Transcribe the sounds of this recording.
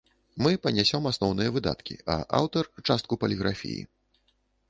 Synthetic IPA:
mɨpɐnʲasʲɔmasnɔwnɨjɐvɨd̪a̰t̪kʲḭɐ̰ʔa̰wt̪ɐrt͡ʂast̪kupɐlʲiɣɾafʲḭjḭ

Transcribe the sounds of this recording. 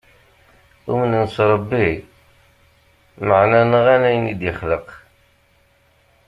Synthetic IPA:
umənənsɾˤɑbːi | məʕnænəʁænæjənid̪jəχləq

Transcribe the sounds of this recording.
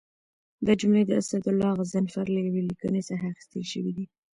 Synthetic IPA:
d̪əd͡ʒʊmled̪əasad̪ʊlːɑɣazanfaɾlajawelikənesaxaːxi̥st̪əlʃəwid̪i

